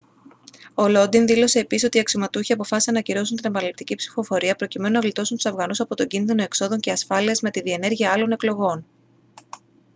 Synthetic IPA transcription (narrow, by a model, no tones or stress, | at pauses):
o̞lo̞d̪inðilo̞se̞ːpisiso̞t̪iɐksomɐt̪uçiɐpo̞fɐsi̥senɐciɾo̞sunt̪inebɐnɐlipt̪icipsi̥fo̞fo̞ɾiɐpɾo̞cime̞nunɐvlit̪o̞sunt̪u̥sɐvɣɐnusɐpo̞t̪o̞ɲɟinðino̞ekso̞ðo̞ɲceɐsfɐliɐzme̞t̪iðie̞ne̞ɾʝiɐɐlo̞ne̞klo̞ɣo̞n